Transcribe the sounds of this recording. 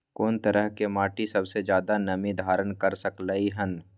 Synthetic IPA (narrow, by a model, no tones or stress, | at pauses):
koːnt̪ɐɾəɦkemaːʈisɐbsed͡ʒjaːd̪anɐmid̪ʱaːɾənkɐɾsɐklaːiɦən